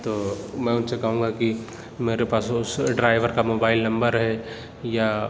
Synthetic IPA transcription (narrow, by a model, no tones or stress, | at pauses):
t̪oːmɛ̃ːʊnsekɐɦũːŋɡaki | meːɾepaːsʊsɖɾaːɪʋəɾkamoːbaːɪlnɐ̃mbəɾɦɛ | ja